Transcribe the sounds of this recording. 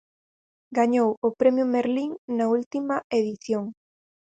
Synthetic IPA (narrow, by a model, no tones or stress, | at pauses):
ɡaɲowʊpɾemjʊmeɾliŋnɐult̪imɐeðiθjoŋ